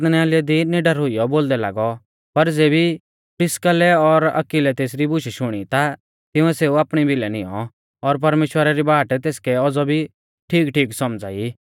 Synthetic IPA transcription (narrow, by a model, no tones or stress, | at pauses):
t̪nɛaːlɪjad̪inɪɖəɾɦʊijɔboːld̪ɛla̰ːɡɔ | pɐɾd͡zeːbi | pɪskəlɛɔɾɐ̰kilɛt̪eːsɾibʊʃiʃʊɽ̃it̪a | t̪ɪũɛseːuaːpɽ̃ibɪlɛnɪjɔ̰̃ | ɔɾp̬ɐɾmeːʃwəɾaɾibaːʈt̪eːskɛɔd͡zɔbʱi | ʈʰiːkʈʰiːksɔmd͡za̰ːi